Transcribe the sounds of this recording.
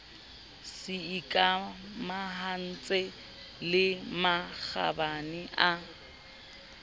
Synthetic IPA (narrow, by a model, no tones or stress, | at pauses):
sɪikʼamaɦan̩t͡sʼe | lɪmak͡xa̰banɪʔa